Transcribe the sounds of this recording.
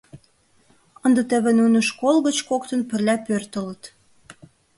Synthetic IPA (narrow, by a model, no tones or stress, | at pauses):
ənd̪ə̆t̪ə̆βĕnunəʃkolɣət͡ɕkokt̪ə̆npə̆rlʲæpørt̪ə̆lə̆t̪